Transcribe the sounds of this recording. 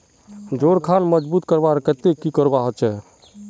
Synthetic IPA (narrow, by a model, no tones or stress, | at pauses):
d͡ʒoɾkʰanməd͡ʒbut̪kəɾbaɾkət̪ekikəɾbaɦət͡ʃʰɛ